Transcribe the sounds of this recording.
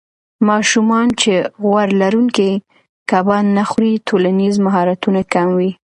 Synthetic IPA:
mɑʃumɑnt͡ʃeɣwaɾlaɾuŋki | kabɑnːaxɾit̪ʰolanizmaɦɑɾat̪unakamwi

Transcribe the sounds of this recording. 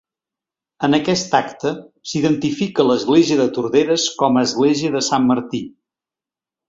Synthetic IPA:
ənəkɛst̪akt̪əsiðənt̪ifikələzɣleziəðət̪uɾðeɾəskɔməːzɣleziəðəsamːəɾt̪i

